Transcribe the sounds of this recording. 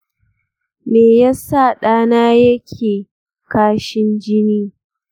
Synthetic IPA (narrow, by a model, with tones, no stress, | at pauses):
meː˨ja˦sa˦˨ɗaː˦naː˦jɐ˦kʲʰeː˨ | kaː˦ʃɪ˦nd͡ʒɪ˦niː˦